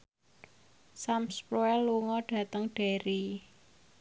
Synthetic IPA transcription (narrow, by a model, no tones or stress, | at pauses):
samspɾoɛlːuŋɔɖ̥ä̤t̪əŋɖ̥e̤ɾi